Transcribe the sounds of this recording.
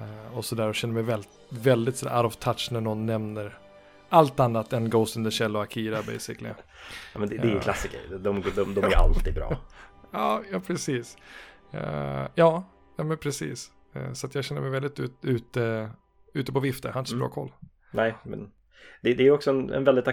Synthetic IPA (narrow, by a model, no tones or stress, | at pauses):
ɔsɔd̪æːɾɔɕɛnːəmɛjvɛlɪt̪vɛld̪ɪt̪sɔd̪æ̰ɾaɾɔvt̪ʰat̪ʂnæɳɔnːɛmnəɾ | alt̪anːat̪ɛnɡoʊsɪnd̪əɕɛlːʊakʰiːɾabɛ̰ɪjsɪklɪ̰jɑmɛnd̪ɛɛæɾjəllasːɪkə̰ɾd̪ɔmɡd̪ɔmd̪ɔmmæɾja̰lt̪ʰiːd̪̚bɾɑ̰ːjɑːjɑːpʰɾɛsiːs | jɑː | jɑːmɛnpʰɾɛsḭːs | sɔat̪jɑːɡɕɛnːə̰mɛjvɛld̪ɪt̪ʉ̰ːt̪ʉ̟ːt̪ə | ʉ̟ːt̪əpɔvɪft̪əɾhanɪəsɔbɾɑ̰ːkʰɔ̰lː | nɛːmɛ̰n | d̪̥ɛd̪ɛæːjɔksɔɛnɛ̰nvɛld̪ɪt̪a